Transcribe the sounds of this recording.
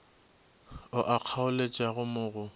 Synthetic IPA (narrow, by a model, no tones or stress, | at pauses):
ʊʔaq͡χʰaʊlet͡ʃʼaɣʊmʊːɣʊ